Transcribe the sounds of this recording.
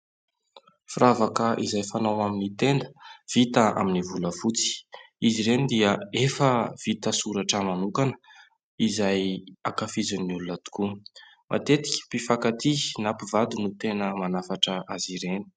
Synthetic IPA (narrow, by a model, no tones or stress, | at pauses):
fravakəʔizajfanawaminit̪end̪ə̥v̥it̪aa̰minivuləfut͡si̥ | iziɾenid̪iəefəv̥it̪əsuɾaʈ͡ʂəmanukanə̥ | izajakafizunːulunat̪u̥ku | mʔa̰t̪et̪i̥kʲpifakat̪inapivad̪unut̪enəmanafaʈ͡ʂəʔaziɾeni̥